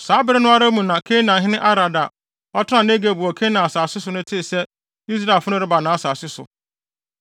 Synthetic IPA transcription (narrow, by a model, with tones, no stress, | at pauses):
saː˨˦bɪ˦ɾɪ˦nʊ̃˦a˦ɾe˦mũ˨nã˨kʰe˦nã˨ɦɪ̃˦nɪ̃˦ʔa˦ɾa˨da˨ | ɔ˦tʰɪ˦ã˨ne˦ɡe˨bu˨ɔ˨kʰe˦nã˨a˨saː˨sɪ˦sʊ˨nʊ̃˦tʰɪ˦˨sɛ˦ | i˦s̬ɾa˨fʊ˦nʊ̃˦ɾɪ˦ba˨nã˨˦a˦˨saː˨sɪ˦sʊ̰˨